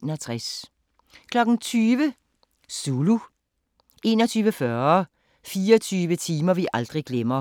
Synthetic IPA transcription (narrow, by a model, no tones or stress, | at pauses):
nɐt̪ʰʁɛs | kʰlɒɡ̥n̩tʰyːʋə | suːlu | ʔe̝ːnɔt͡sʰyːʋəfœː | fiːɔt͡sʰyːʋətʰiːmɐʋiʔɑld̥ʁiɡ̥lemɐ